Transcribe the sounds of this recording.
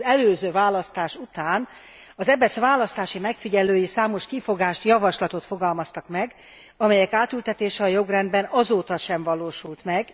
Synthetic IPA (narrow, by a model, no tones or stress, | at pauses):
ɛløːzøːvaːlɒst̪aːʃut̪aːn | ɒzɛbɛsʋaːlɒst̪aːʃimɛkfiɟɛløːjisaːmo̞ʃkifo̞ɡaːʃt̪jɒvɒʃlɒt̪ot̪fo̞ɡɒlmɒst̪ɒkmɛɡ | ɒmɛjɛkaːt̪ylt̪ɛt̪eːʃɛɒjo̞ɡrɛnd̪bɛnɒzoːt̪ɒʃɛɱvɒloːʃult̪mɛɡ